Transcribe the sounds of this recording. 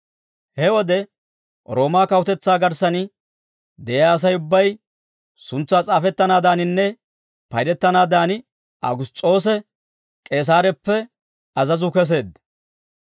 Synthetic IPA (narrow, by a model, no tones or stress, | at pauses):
hɛwɔd̪ɛ | ɾo̞ːmaːkɐwʊt̪ɛt͡sːaːɡɐɾsɐnɪ | d̪ɛjaːs̬ɐjʊbːɐj | sʊnt͡sːaːt͡sʼaːfɛt̪ːɐnaːd̪aːnɪnːɛ | pɐjd̪ɛt̪ːɐnaːd̪aːnɪ | ʔɐ̰ɡʊst͡sʼo̞ːs̬ɛ | kʼe̞ːs̬aːɾɛpːɛ | ɐzɐzʊkɛs̬e̞ːd̪